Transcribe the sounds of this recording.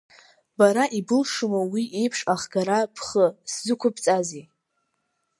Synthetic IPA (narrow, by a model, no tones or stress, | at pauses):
baɾaʔibɨlʂumawiʔejpʰʂaχɡaɾapʰχəszɨkʷʰʊpʰt͡sʼaze